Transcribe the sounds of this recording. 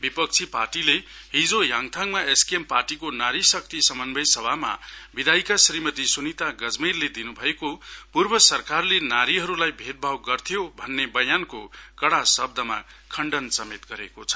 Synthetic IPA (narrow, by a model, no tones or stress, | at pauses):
bipʌk̚t͡sʰipa̰rʈile | ɦid͡zojaŋt̪ʰaŋmaeskiemparʈikonaɾisʌk̚t̪isʌmʌnbʱʌjsʌbʱama̰bid̪ʱajkasɾimʌt̪isunit̪aɡʌd͡zmirled̪inubʱʌekopurbʌsʌrkarlenaɾiɦʌɾulajbʱet̪̚bʱawɡʌrt̪ʰijobʱʌnːebʌjankokʌɽasʌb̚d̪ʌma̰kʰʌɳɖʌnsʌmet̪ɡʌɾḛkot͡sʰʌ̥